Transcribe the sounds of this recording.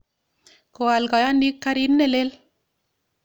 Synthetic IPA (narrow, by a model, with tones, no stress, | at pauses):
ko˨a˨lɡa˨ja˦ni˦kːa˦ɾi˦nːe˦le˦l